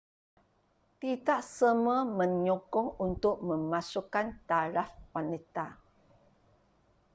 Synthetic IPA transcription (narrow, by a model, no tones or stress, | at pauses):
t̪itaʔsəməmə̃ɲɔkɔŋunt̪ʊʔ̚mə̃masukant̪aɾafwanit̪a